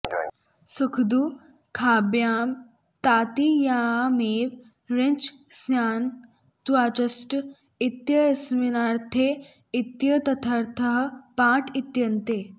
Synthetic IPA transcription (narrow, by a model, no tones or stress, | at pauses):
səkʰd̪uː | kʰabjaːm | t̪aːt̪ijaːmeːʋ | ɾent͡ʃsjaːn | t̪uaːt͡ʃɐsʈ | it̪jɐesminaɾt̪ʰe | it̪jɐt̪ɐt̪ʰəɾt̪ʰəɦpãːʈʰit̪jɐnt̪eː